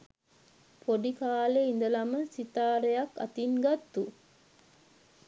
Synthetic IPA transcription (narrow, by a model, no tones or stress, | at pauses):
pʰoɖikaːleind̪əlɐməsit̪aːɾejakːɐ̰t̪inɡɐt̪ːu